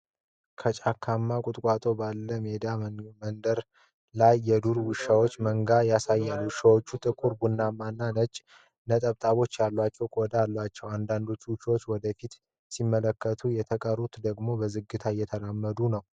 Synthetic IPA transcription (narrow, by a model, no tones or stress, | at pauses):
kʰət͡ʃʼakʰːamːakʼʊt̪ʼkʷʼat̪ʼo̞balːəme̞d̪ammənd̪əɾ | lajːɛd̪uɾwɨʃawo̞t͡ʃːməŋɡajasajːalwɨʃawo̞t͡ʃːut̪ʼɨkʼuɾɡunːamːanːanət͡ʃʼ | nət̪ʼəβt̪ʼaβo̞t͡ʃːjalːwat͡ʃːɛwkʼod̪aalːwat͡ʃːɛwand̪and̪o̞t͡ʃːuwɨʃawot͡ʃːwɔd̪əfit̪ | simːələkːət̪ʰujɛt̪ʰəkʼəɾut̪d̪əɡmo̞bəzɨɡːɨt̪ʰajɛt̪ʰəlamːəd̪unəw